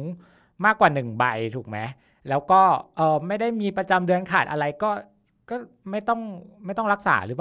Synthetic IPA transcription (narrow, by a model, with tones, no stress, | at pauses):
ŋ | maː˥˩kːwaː˨˩nɯ˨˩ŋba˧jt̪ʰuː˨˩k̚ma˦˥ | lɛː˦˥wkɔː˥˩ʔɤː˨˩ma˥˩jda˥˩jmiː˧pɾa˧t͡ɕa˧mdɯ˧ənkʰaː˨˩t̪̚ʔa˧ɾa˧jkɔː˥˩ | kɔː˥˩ | ma˥˩jt̪ɔ˥˩ŋma˥˩jt̪ɔ˥˩ŋɾa˦˥k̚sa̰ː˩˦ɾɯː˦pː